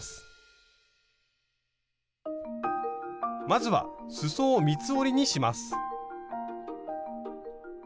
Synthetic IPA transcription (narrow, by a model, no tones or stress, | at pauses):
sɨ̥ | mazɨβa̰sɨsoːmʲit͡sɨoɾʲiɲ̟iɕimasɨ̥